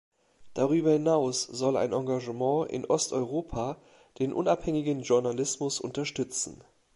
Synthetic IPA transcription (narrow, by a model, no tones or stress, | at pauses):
d̥aʁyːbɐhɪnaʊsz̥ɔla̰ɪnʔãŋɡaʒəmɑ̃ːʔɪ̰nʔɔstɔʏʁoːpʰa | d̥eːnʔʊnaphɛŋɪɡənʒʊɐnalɪsmʊsʔʊ̰ntɐʃtʏt͡sn̩